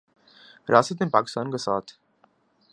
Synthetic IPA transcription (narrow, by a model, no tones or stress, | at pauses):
ɾjaːsət̪enpaːkɪst̪aːnkasaːt̪ʰ